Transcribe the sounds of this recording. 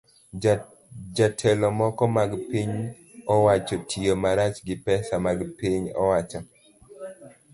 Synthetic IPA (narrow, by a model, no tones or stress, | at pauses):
d͡ʒatʰɛlɔmɔkɔmaɡpiɲ | ɔwat͡ʃɔtʰiomaɾat͡ʃɡɪpɛsamaɡpiɲɔ̰wat͡ʃɔ